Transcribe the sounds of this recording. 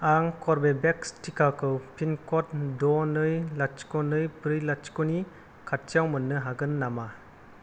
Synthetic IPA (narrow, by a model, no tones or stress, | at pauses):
aŋkʰɔɾbebekstikakɯwpʰinkɔt̚dɔnɯjlat͡ʃkɔnɯjpɾɯjlat͡ʃkɔni | kʰat̚t͡ʃjawmɯnːɯɦaɡɯnːama